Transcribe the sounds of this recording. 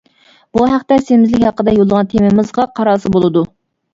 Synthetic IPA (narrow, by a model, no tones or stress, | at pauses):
b̥uɦæχt̪ɛsemɪzlɪkʲhɑqːəd̪ɑjolˠəʁɑnt̪ʰemɪmɪzʁɑqʰɑɾɑːsɨbolˠɨd̪u